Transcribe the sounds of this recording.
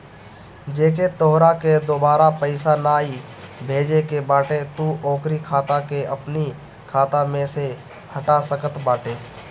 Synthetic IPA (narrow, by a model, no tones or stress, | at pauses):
d͡ʒeːket̪oɦɾaked̪oːbaːɾapəɪsanaːi | bʱeːd͡ʒekebaːʈet̪uʔɔ̃ːkɾikʰaːt̪akeʔɐpni | kʰaːt̪amẽse | həʈasəkət̪baːʈeː